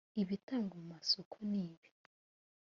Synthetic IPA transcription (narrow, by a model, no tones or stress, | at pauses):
iβitaːŋɡomumasokʰoniːβi̥